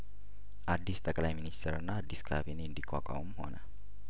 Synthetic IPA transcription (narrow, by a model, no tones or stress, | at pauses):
adist̪akalajministəɾnadiskʰa̰finindika̰ka̰umhɔ̰na̰